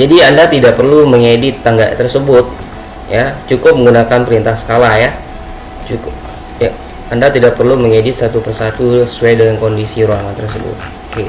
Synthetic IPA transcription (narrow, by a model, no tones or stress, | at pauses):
d͡ʒadiandat̪idaʔ̚pərluməŋedɪt̪ːaŋɡaʔt̪ərsəbʊt̪̚ | jat͡ʃukʊp̚məŋɡunakanpəɾint̪ahsə̥kalahja | t͡ʃukʊp̚ | ja | andat̪idak̚pərluməŋedɪt̪̚sat̪upərsat̪uəsuajdəŋankondisiɾuaŋant̪ərs̬əbʊ̰t̪̚